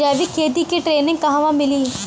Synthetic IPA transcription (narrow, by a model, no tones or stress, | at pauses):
ɛːʋiːkʰeːd̪ikiʈɾeːnɪ̃ŋɡ̚kɐɦãːʋãːmɪliː